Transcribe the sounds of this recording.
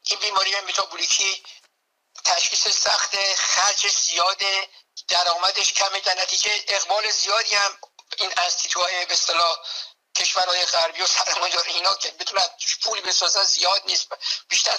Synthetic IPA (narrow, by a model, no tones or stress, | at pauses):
ʔinbiːmɒːɾijeembit̪ʰɒːbuɾikʰi | t̪ʰæʃχiːsesæxt̪exæɾd͡ʒez̥ijɒːd̪ed̪̥æɾɒːmæd̪e̞ʃcʰæmed̪æɾnæt̪ʰiːd͡ʒe̞ʔeɣbɒːle̞zijɒːd̪iːæmiːnæzt̪ʰit̪ʰuɒːjebest̪elɒː | cʲʰe̞ʃvæɾhɒːje̞ɣæɾbiːjosæɾmɒːjd̪ɒːɾeiːnɒːkʰebet̪ʰunænuʃpʰuːlbe̞sɒːzænzijɒːd̪niːst̪b̥iːʃt̪æɾ